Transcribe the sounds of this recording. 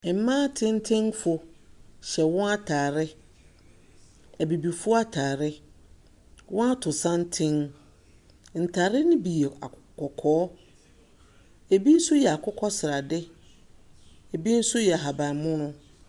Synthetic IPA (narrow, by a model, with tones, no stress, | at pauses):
m̩˦mãː˦tʰɪ̃˦n̩˦tʰɪ̃˦ŋfʊ˨ɕɛ˨wɔ̃˦a˦tʰaː˨ɾɪ˦ | æ˨bi˨bi˨fʊ˦a˦tʰaː˨ɾɪ˦ | wɔ̃˦a˦tʰʊ˨sã˦n̩˦tʰɪ̃˦ŋ | n̩˨tʰaː˨ɾɪ˦nɪ̃˦bi˨e˨a̰˨ | kɔ˨kʰɔː˦ | e˨bi˦n̩˦sʊ˦jɛ˨a˨kʰʊ˦kʰɔ˦sɪ˨ɾa˨dɪ˦ | e˨bi˦n̩˦sʊ˦jɛ˨a˨ɦa˨bã˨mʊ̃˦nʊ̃˦